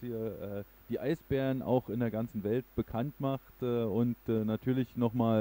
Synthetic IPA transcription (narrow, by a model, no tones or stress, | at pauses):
hiːɐʔɛː | d̥iːʔaɪsb̥ɛːʁənʔa̰ʊxɪndeːɐɡant͡sn̩vɛltb̥əkʰantmaχtɛːʊntɛːnatʰyːɐlɪçnɔχmaːl